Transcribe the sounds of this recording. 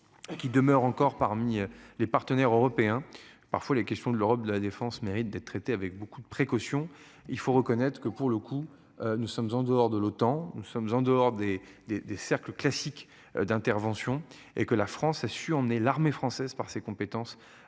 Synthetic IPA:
kʲid̪əmœʁɑ̃kɔʁpaʁmilepaʁt̪ənɛʁøʁɔpeɛ̃pa̰ʁfwalekʲɛst̪jɔ̃d̪əløʁɔp̚d̪əlad̪efɑ̃smeʁit̪̚d̪ɛt̪̚t̪ːχet̪eavɛk̚bokud̪əpχekɔsjɔ̃ | ilfoʁəkɔnɛt̪χkəpuʁləkʰu | ønusɔmzɑ̃d̪əɔʁd̪əlot̪ɑ̃nusɔmzɑ̃d̪əɔʁd̪ed̪ed̪esɛʁkləklasik | d̪ɛ̃t̪ɛʁvɑ̃sjɔ̃ | ḛkəlafχɑ̃sasyɑ̃mnelaʁmefχɑ̃sɛzpaʁsekɔ̃pet̪ɑ̃s

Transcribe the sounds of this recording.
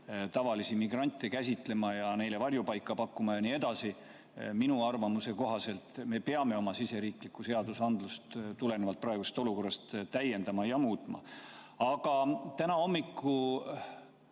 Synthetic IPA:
t̪ɑvɑlisimiɡrɑnʲt̪ːˑekæs̬ʲit̪le̞mɑjɑne̞jle̞vɑrjupɑjkˑːɑpɑkːumɑjɑnie̞d̪̥ɑsi | minuɑrvɑmuse̞ko̞ɦɑse̞lt̪me̞pe̞ɑme̞o̞mɑsise̞ɾiːklikːˑuse̞ɑd̪usɑnd̪lust̪t̪ule̞nevɑlt̪prɑeɡusest̪oluko̞rːɑst̪t̪æje̞nd̪̥ɑmɑjɑmuːt̪ˑmɑ̰ | ɑɡ̥ɑt̪ænɑo̞mːikːu

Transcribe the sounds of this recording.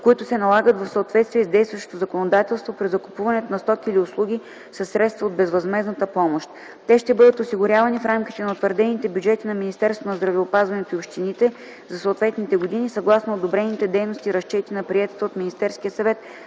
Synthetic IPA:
koit̪ʊsɛnɐlˠaɡət̪vɐfsəot̪vɛt̪st̪viɛzd̪ɛjst̪vəʃt̪o̥t̪ozɐkonod̪at̪ɛlˠst̪vopɾizɐkʊ̥puvɐnɛt̪onɐst̪ɔkiːlʲiʊslˠuɡ̟ʲi | sɐsːɾɛt̪st̪vəod̪̚bɛzvɐzmɛznət̪əpɔmoʃt̪ | t̪ɛʃt̪ɛbɤd̪ət̪osiɡʊɾʲjavɐnifɾamkʲi̥t̪ɛnɐot̪vəɾd̪ɛnit̪ɛbʲjud͡ʒɛt̪inɐminist̪ɛɾst̪vonɐzd̪ɾɐvɛopazvɐnɛt̪oiopʃt̪init̪ɛ | zɐsoːt̪vɛt̪nit̪ɛɡod̪inisɐɡlˠasnoːd̪obɾɛnit̪ɛd̪ɛjnost̪iɾɐʃt͡ʃɛt̪inɐpɾiɛt̪ə̥t̪əot̪minist̪ɛɾskiəsɐvɛt̪

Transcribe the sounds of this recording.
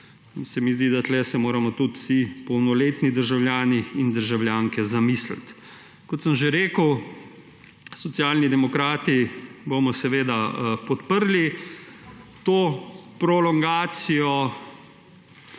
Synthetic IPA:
insɛmizd̪id̪at̪lɛsɛmoːɾamɔt̪ut̪sipɔwnɔleːt̪nid̪əɾʒawljaːniːnd̪əɾʒawljaːŋkɛzamisla̰t̪ | kɔt̪səmʒeɾeːkəw | sɔt̪sjaːlnid̪ɛmɔkɾaːt̪iboːmɔsɛʋeːd̪apɔt̪pəɾli | t̪oːpɾɔlɔŋɡaːt̪sijɔ

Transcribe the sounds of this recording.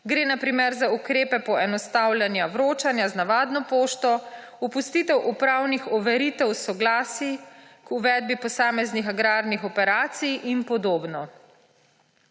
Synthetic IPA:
ɡɾeːnapɾimɛɾzaukɾeːpɛpɔɛnɔst̪awljanjawɾoːt͡ʃanjaznaʋaːd̪nɔpoːʃt̪ɔ | upust̪it̪ɛwʔupɾaːwnixɔʋɛɾiːt̪ɛwsɔɡlaːsikuʋɛːd̪̚bipɔsaːmɛznixaɡɾaːɾnixɔpɛɾaːt̪sijinpɔd̪oːbnɔ

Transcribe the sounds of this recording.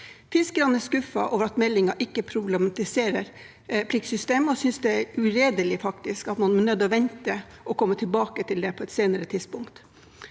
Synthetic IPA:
fɪskəɾɑnɛʂkʉfɑ̰ʔoːʋəɾɑt̪mɛlːɪŋɑʔɪkːəpʰɾʊblɛmɑt̪ɪseːɾəɾ | pʰlɪksʏst̪eːmɔsʏnsd̪ɛɛɾʉɾeːd̪əlɪfɑkt̪ɪskɑt̪mɑnmɛnœd̪ːɔʋɛnt̪əʔɔkʰɔmːət̪ʰɪlbɑːkət̪ʰɪld̪ɛpʰɔɛt̪seːnəɾət̪ʰɪd̪spʊŋkt̪

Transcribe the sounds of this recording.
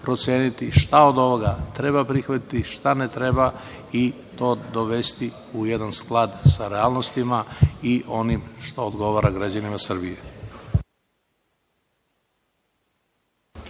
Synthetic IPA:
pɾo̞t̪sjeːnit̪iʃt̪aod̪o̞ʋo̞ɡat̪ɾe̞bapɾixʋat̪it̪iʃt̪anet̪ɾe̞ba | i | t̪o̞ːd̪o̞ʋe̞st̪i | ujed̪ansklˠad̪saɾeaːlˠnost̪imaiʔo̞nimʃt̪oːd̪ɡo̞ʋaɾaɡɾad͡ʑanimasr̩bije

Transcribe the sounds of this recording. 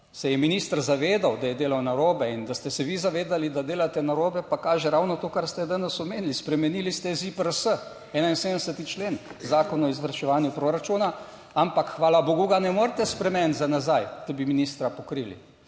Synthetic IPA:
sɛjɛminiːst̪ɾzaʋeːd̪awd̪ajɛd̪eːlawnaɾoːbɛind̪ast̪ɛsɛʋizaʋeːd̪alid̪ad̪eːlat̪ɛnaɾoːbɛpakaːʒɛɾawnɔt̪oːkaɾst̪ɛd̪anɛsɔmeːnilispɾɛmɛnilist̪ɛzipəɾəsə | ɛːnainsed̪sət̪it͡ʃleːnzaːkɔnɔizʋəɾʃɛʋaːnjupɾoɾat͡ʃuːna | ampakxʋaːlaboɡuɡanɛmoːɾt̪ɛspɾɛmɛnzanazajt̪obiminist̪ɾapɔkɾilḭ

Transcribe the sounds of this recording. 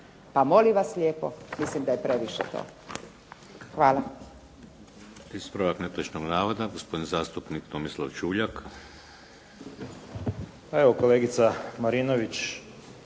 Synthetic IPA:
pamoliʋaslʲjeːpomislimd̪ajepɾeʋiʃḛt̪o̰ː | xʋaːla | ispɾaʋaknet̪ot͡ʃnoɡnaːʋod̪aɡospod̪nizaːst̪upnikt̪omislˠaʋt͡ʃuːʎak | peʋokoleːɡit̪samaɾinoʋit͡ʃ

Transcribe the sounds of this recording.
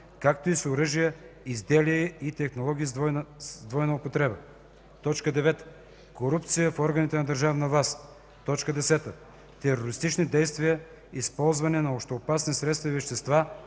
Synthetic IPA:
kak̚t̪oisoɾɤʒijəizd̪ɛliəit̪ɛxnolˠɔɡ̟ʲiːznd̪vɔjnɐopot̪ɾɛbə | t̪ɔt͡ʃkəd̪ɛvɛt̪ə | koɾupt̪sijəfɔɾɡɐnit̪ɛnɐd̪əɾʒavnɐvlˠas | t̪ɔt͡ʃkəd̪ɛsɛt̪ə | t̪ɛɾoɾist̪it͡ʃnid̪ɛjst̪vijə | ispɔlˠzvɐnɛnɐoʃt̪oːpasnisɾɛt̪st̪vɐivɛʃt̪ɛst̪va

